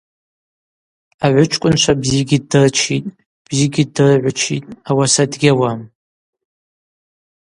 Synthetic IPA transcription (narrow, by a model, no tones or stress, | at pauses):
aʕʷʊt͡ʃʷʰʼkʷʼʊnt͡ʃʷʰabziɡʲidɨrt͡ʃʰitʼ | b̥ziɡʲidɨrʕʷʊt͡ʃʰḭtʼawasadɡʲawam